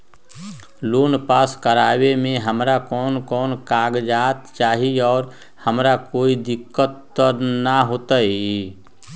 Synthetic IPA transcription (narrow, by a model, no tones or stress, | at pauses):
loːnpaːskəɾaːwemẽɦəmɾakɔːnkɔːnkaːɡd͡ʒaːt̪t͡ʃaːɦiɔːɾ | həmɾakoːid̪ɪkːət̪ːəɾnaɦoːt̪aɦi